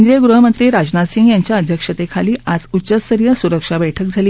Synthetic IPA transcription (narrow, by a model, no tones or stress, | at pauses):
nd̪ɾijəɡɾuɦəmənt̪ɾiːɾad͡ʑnat̪sĩŋɡjaɲt͡ɕjaəd̪ʱjəkʂət̪ekʰaliːʔʔad͡zut͡ɕəst̪əɾijəsuɾəkʂabəjʈʰəkd͡zʱali